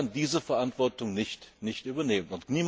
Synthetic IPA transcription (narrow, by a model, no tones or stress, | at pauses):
andiːzəfɛɐʔantv̥ɔɐtʊŋnɪçtnɪçtʔyːbɐneːmənʊntniːm